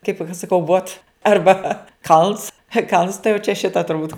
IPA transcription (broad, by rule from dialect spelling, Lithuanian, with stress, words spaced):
kɐɪp ɐʃ sɐˈkɐʊ ʋoːt ˈɐrbɐ ˈkɐlˠns kɐlˠns tɐɪ jɛʊ t͡ʃʲɛ ˈʃʲɪtɐ tʊrˈbuːt